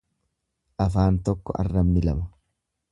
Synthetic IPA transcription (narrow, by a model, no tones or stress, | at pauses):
ʔɐfaːnt̪ɔkːɔʔɐ̰rːɐmnɪlɐmɐ